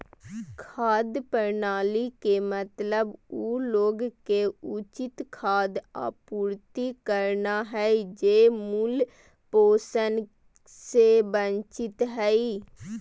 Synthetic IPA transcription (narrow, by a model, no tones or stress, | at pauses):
kʰaːd̪pəɾnaːliːkeːmət̪ləbuːloːɡkeʊt͡ʃɪt̪kʰaːd̪a̰ːpuːɾt̪iːkəɾnaːɦɛid͡ʒeːmul | poːsən | seːbənt͡ʃɪt̪ɦɛiː